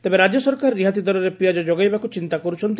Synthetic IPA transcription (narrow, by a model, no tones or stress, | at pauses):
t̪ebeɾad͡ʒjɔsɔɾkaɾːiɦat̪̬id̪ʱɔɾɔɾepɾiad͡ʒɔd͡ʒoɡajbakut͡ʃint̪akɔɾut͡ʃʰɔnt̪i